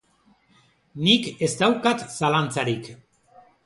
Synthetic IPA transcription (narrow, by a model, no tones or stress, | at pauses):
nikest̪awkat̪salant͡saɾik